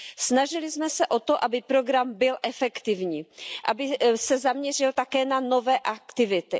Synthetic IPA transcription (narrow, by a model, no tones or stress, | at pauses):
snaʒɪlɪzmɛsɛʔo̞t̪oʔabɪpɾo̞ɡɾambɪlʔɛfɛkt̪ɪvɲiːʔa̰bɪsɛzamɲɛr̝ɪlt̪akɛːnano̞vɛːʔakt̪ɪvɪt̪ɪ